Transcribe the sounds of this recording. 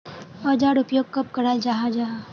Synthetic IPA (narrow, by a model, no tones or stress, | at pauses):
ɔd͡ʒaːɽʊpjoːɡ̚kɐp̚kɐɽaːld͡ʒaːɦad͡ʒaːɦ